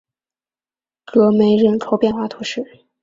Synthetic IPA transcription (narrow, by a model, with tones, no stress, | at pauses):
kɤ˧˥me˧˥ɪɻə˥˩nʈ͡ʂʰo˧˥ʊpjɛ˥˩nxwa˥˩t̪ʰu˧˥ʂɻ̩˥˩